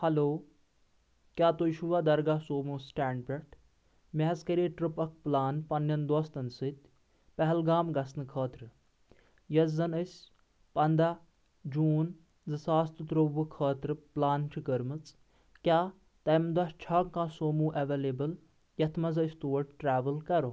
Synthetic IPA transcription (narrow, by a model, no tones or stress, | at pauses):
hɐloː | kʲaːt̪ojiʃuʋaːd̪ɐɾɡaːsoːmuːsʈaːɳɖpʲɐʈ | mʲɛɦɐzkɐɾiːʈɾɨpɐk̚ʰplaːnpɐnjɐnd̪ɔst̪ɐnsɨt̪ʲ | pɛɦɛlɡaːmɡɐsnɨkʰɐːt̪ɾɨ | jɐzːɐnɐsʲ | pɐnd̪aː | d͡ʒuːn | zɨsaːst̪ɨt̪ɾoʋukʰɐːt̪ɾɨplaːnt͡ʃʰikəɾmɨt͡s | kʲaː | t̪ɐmd̪ɐʃt͡ʃʰɐːkãːsoːmuːʔɐʋeːleːbɨl | jɐt̪ʰmɐzɐst̪oːʈʈɾaːʋəlkɐɾoː